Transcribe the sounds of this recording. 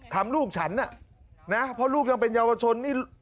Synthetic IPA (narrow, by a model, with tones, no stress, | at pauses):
t̪ʰa˧mluː˥˩k̚t͡ɕʰa˦˥nːa˥˩ | na˦˥pʰɔ˦˥luː˥˩k̚ja˧ŋpe˧njaː˧wa˧t͡ɕʰo˧nːiː˥˩